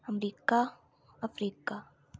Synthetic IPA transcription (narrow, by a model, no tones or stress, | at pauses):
əmɾiːka | afɾiːka